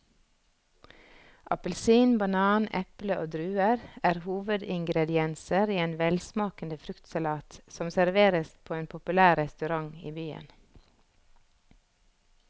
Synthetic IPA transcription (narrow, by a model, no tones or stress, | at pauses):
ʔɑpəlsiːnbɑnɑːnʔɛpləʔoːd̪ɾʉːəɾæːɾhuːʋəd̪ɪŋɡɾɛd̪ɪɛnsəɾiːeːnʋɛlsmɑːkənd̪əfɾʉkt̪sɑlɑːt̪sɔmsæɾʋeːɾəspʰoːeːnpʰʊpʉlæːɾɛst̪ʉɾɑŋḭːbyːə̰n